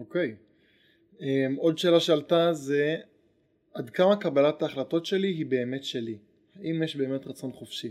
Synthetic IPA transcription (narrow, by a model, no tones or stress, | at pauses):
oke̞j | emo̞dʃe̞ːlaʃealtaze̞ | adkamakabalat̪aːχlato̞tʃe̞liɦibe̞ːme̞tʃe̞li | haʔimjeʃbe̞ːme̞tʁat͡so̞nχofʃi